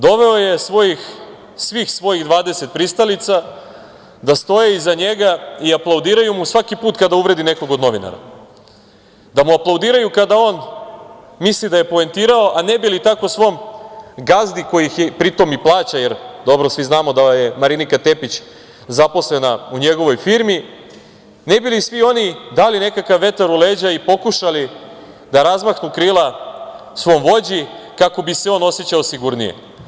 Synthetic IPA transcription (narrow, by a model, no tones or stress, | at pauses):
d̪o̞ʋe̞o̞je̞sʋo̞jix | sʋixsʋo̞jiɣd̪ʋaːd̪e̞se̞t̪̚pɾist̪alit̪sa | d̪ast̪o̞jeizaɲe̞ɡaiaplˠawd̪iːɾajumusʋakipuːt̪kad̪auʋɾe̞d̪ine̞ko̞ɡod̪no̞ʋina̰ɾa̰ | d̪amuaplˠawd̪iːɾajukad̪ao̞ːn | mislid̪aje̞poent̪iːɾao̞ʔane̞bilit̪ako̞sʋo̞mɡazd̪iko̞jixjepɾit̪omiplˠaːt͡ɕaje̞ɾd̪o̞bɾosʋiznaːmo̞d̪aje̞maɾinikat̪e̞pit͡ɕ | zapo̞slenauɲe̞ɡo̞ʋo̞jfiːɾmi | nebilisʋio̞nid̪aːline̞kakaʋːe̞t̪aɾuleːd͡ʑaipo̞kuʃali | d̪aɾazmaknukɾiːlˠa | sʋo̞ːmʋo̞d͡ʑikako̞bise̞o̞ːno̞sjet͡ɕaosiɡuɾnijḛ